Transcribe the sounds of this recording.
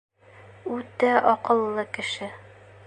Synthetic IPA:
ʉt̪æʔɒqɤ̆lˠːɤkɘ̆ʃɘ

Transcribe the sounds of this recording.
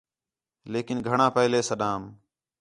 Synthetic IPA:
leːkɪnɡʱəɳãːpəɦleːsəɗãːm

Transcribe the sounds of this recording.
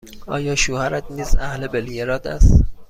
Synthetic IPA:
ɒ̰ːjɒːʃuːhæɾæt̪niːzæ̰hlebelijeɾɒːd̪æ̰st̪

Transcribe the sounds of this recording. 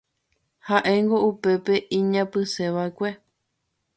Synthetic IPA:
haʔe̞ŋɡo̞upe̞pe̞ʔĩɲãpɨse̞ʋaekʷe

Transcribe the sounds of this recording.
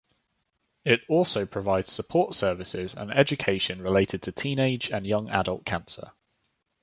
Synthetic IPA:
ɪtɔˑlˠsəʊpʰɹ̥əvaɪdz̥səpʰɔˑtsɜːvɪsɪzə̰̃nɛd͡ʒəkʰeɪʃə̃nɹɪleɪtʰɪd̚tʰətʰĩːneɪd͡ʒə̃njʌ̃ŋa̰dəlˠʔkʰãnsə̰

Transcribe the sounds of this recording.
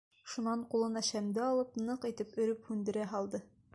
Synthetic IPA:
ʃunɑɴqulˠɤnɑɕæmd̪ɘɒlˠɤpnɤqit̪ɘpɵ̆ɾɵphʉnd̪ɘ̆ɾæɦɒlˠd̪ɤ

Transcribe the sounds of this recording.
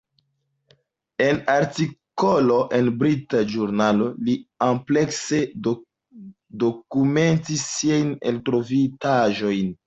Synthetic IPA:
e̞naɾtiko̞lo̞ʔe̞nbɾitaʒuɾnalo̞liample̞kse̞ | do̞kume̞ntisːiajnḛltɾo̞vitaʒo̞jn

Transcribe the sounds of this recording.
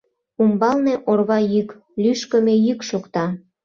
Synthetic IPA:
umbɑlneʔorβɑjyk | lyʃkə̆mejykʃokt̪ɑ

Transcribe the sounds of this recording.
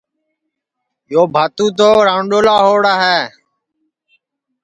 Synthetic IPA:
joːbʱaːt̪ũːt̪̬oːɾaːɳɗoːlaːɦoːɽaːɦeː

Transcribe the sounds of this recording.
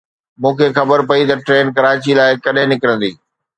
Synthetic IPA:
mũːkʰeːxɐbəɾpɐit̪ɐʈɾeːnkɐɾaːt͡ɕilaːɪkɐɗɦɪ̃nɪkəɾə̃nd̪iː

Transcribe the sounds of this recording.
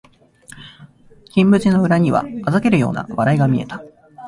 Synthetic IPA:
kʲĩmbɯ̟t͡ɕino̞ɯ̟ɾaɲ̟iβa̰mazake̞ɾɯ̟jo̞ːna̰βaɾaiɡamʲie̞̰t̪ḁ

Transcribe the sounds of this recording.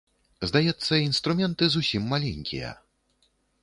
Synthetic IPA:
zd̪ajɛt̪sːɐinst̪ɾumʲɛnt̪ɨzusʲimːalʲenʲkʲḭjɐ̰

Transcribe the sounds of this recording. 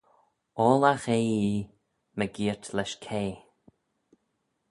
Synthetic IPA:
ɔːlaxeːiː | məɡiːɹtlɛʃkʰeː

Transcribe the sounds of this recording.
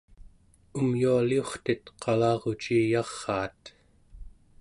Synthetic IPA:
umjualio̞χt̪it̪qʰɑlɑːʁot͡ʃiːjɑʁːɑːt̪

